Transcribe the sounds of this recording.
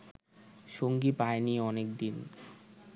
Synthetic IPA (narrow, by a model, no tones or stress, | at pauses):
ʃoŋɡipaeniɔnek̚d̪in